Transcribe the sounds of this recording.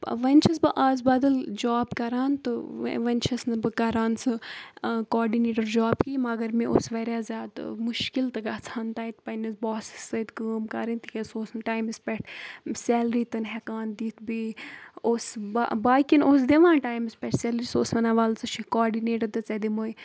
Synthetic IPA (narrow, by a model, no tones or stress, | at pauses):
pʋɐnʲt͡ʃʰɐsbɨʔaːzbɐd̪ɐld͡ʒaːbkɐɾaːnt̪ɨʋɐnʲt͡ʃʰɐsnɨbɨkɐɾaːnsɨ | kɔːɾɖineːʈɐɾd͡ʒaːbkiːmɐɡɐɾmẽʔo̰sʋɐɾjaːzʲjaːd̪muʃkilt̪ɨɡɐt͡sʰaːnt̪aːit̪pɐnʲɐsbɔːsi̥sɐt̪kəːmkɐɾint̪ikesoːsnʈaːjmispʲɛʈʰsɛːlɾiːt̪ɨnɦɛkaːnd̪iːt̪ʰbiːosbabaːkinoːs̬d̪eʋãːnʈaːjmispʲɛʈʰsɛlɾisoːsɐnaʋaːlt͡sɨt͡ʃʰikɔːɾɖineːʈɐd̪ɨt͡sɐd̪imoj